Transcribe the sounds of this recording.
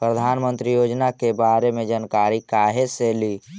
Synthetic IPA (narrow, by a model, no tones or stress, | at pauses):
pɾəd̪ʱaːnmə̃nt̪ɾijoːd͡ʒnakebaɾemẽd͡ʒənkaɾikaːɦeseli